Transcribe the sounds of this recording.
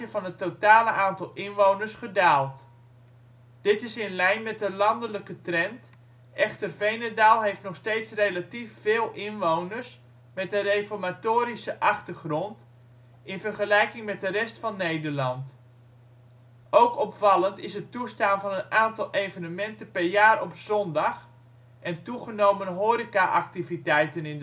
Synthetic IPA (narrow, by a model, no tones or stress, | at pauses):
əvɑnɦətːotaːləʔaːntɑlˠɪnʋownərsχədaːlˠt | d̥ɪtɪsɪnlɛjnmɛt̚dəlɑndələkətrɛnt | ʔɛχtərvejnedaːlˠɦejftnɔχstejtsrejlatifːɪːlˠɪnʋownərs | mɛt̚dərejfɔɹmatoːɾisəʔɑχtərχrɔnt | ɪnvərχəlɛjkɪŋmɛt̚dərɛstfɑnːejdərlɑnt | owkɔpfɑlˠəntɪsətustaːnvɑnənaːntɑlˠejvənəmɛntənpɛrjaːrɔpzɔndɑx | ʔɛntuχənowmənɦoːɾikaʔaktivitɛjtənɪn